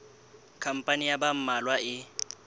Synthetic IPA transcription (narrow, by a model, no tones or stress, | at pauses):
kʰam̩pʼanijabam̩malwaɪ